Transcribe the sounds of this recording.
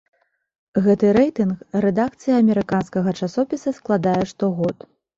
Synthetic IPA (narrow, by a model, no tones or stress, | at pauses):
ɣɛt̪ɨɾɛjt̪ɨnxrɛd̪akt̪sɨjɐːmʲɛɾɨkanskɐɣɐt͡ʂasɔpʲisɐsklˠad̪ajɛʂt̪ɔɣɔt̪